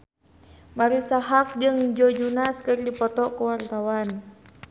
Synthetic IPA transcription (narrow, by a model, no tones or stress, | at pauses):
maɾisaɦak̚d͡ʒɨŋd͡ʒɔd͡ʒunaskɨrdipɔt̪ɔkuwart̪awan